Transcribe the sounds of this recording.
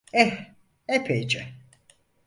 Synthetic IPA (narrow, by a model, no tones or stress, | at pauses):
ɛh | ɛpʰejd͡ʒɛ